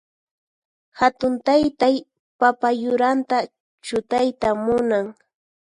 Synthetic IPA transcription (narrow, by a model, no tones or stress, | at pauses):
hat̪ʊnt̪ajt̪aj | papajʊɾant̪a | t͡ʃʊt̪ajt̪amʊnaŋ